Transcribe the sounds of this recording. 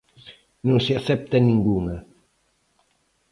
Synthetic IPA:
nunsiasɛp̚t̪aniŋɡuːna

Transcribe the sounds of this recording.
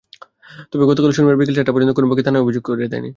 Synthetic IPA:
t̪ɔbeɡɔt̪okaloʃunumeɾbik̬elʃekʈːapɔɾd͡ʑont̪okonobokit̪ʰanaobʱid͡ʑoɡ̚koɾed̪ed̪a̰jnḭ

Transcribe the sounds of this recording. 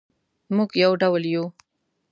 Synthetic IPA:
muɡjawɖawlju

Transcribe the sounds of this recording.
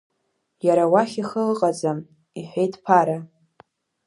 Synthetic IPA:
jaɾawaχʲiχəlɨqʼad͡zam | iħʷejtʰʼpʰaɾa

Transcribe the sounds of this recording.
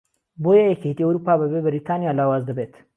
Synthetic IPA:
bojɐjɐkʲet̪iɐwɾupaːbɐbebɐɾit̪ʰaːnijaːlaːwaːzd̪ɐbeːt̪

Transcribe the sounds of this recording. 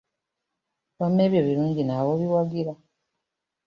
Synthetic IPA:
βamːe̞ːβjo̞βiɾuːɲɟinaβoβiwaɡiɾa

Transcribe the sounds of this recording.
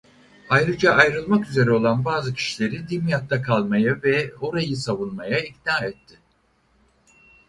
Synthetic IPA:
ajɾɯd͡ʒaʔːjɾɯlˠmakyze̞ɾɛo̞lˠanbaːzɯcʰi̥ʃilʲe̞ɾid̪imijat̪ːakʰalˠmajavɛo̞ɾajɯsavunmajaicnaːɛt̪ʰːɪ

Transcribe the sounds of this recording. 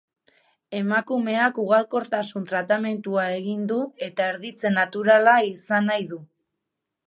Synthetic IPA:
e̞makume̞akuɣ̞alko̞ɾt̪asunt̪ɾat̪ame̞nt̪uae̞ɣind̪ue̞t̪aeɾðit͡se̞nat̪uɾalaisanajðu

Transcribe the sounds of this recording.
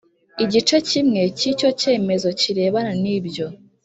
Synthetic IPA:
iɟit͡ʃe̞cimŋe̞cico̞ce̞ːme̞zo̞ciɾe̞ːβananiːbɟo

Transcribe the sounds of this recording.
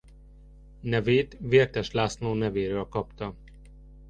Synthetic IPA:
nɛveːt̪veːrt̪ɛʃlaːsnoːnɛveːɾøːlkɒpt̪ɒ

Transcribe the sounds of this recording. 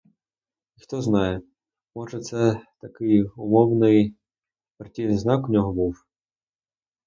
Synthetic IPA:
ixt̪ɔznɑjɛ | mɔʒɛt̪sɛt̪ɐkɪjʊmɔwnɪj | pɾtʲinɪnznɑkʊnʲɔɦɔbuw

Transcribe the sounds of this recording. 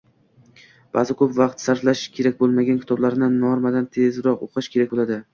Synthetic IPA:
b̥a̰zɪkʰɵpvɑqt̪saɾflaʃkʲʰe̞ɾakʲbolˠmaɡʲankʰʲɪ̥t̪ʰɒblaɾnɪnːɒɾmad̪ant̪ʰe̞zɾɒqo̰qʰɨʃkʲʰe̞ɾak̚ʲbolad̪ɪ

